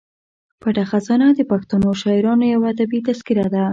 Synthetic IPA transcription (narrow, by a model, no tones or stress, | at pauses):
paʈaxazɑnad̪əpaxt̪anoʃɑɪɾɑnojawaːd̪abit̪askiɾad̪a